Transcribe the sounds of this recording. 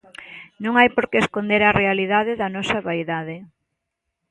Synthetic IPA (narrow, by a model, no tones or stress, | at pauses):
nõŋajpoɾkeeskond̪eɾarealiðaðeðɐnɔsɐβajðað̞ɪ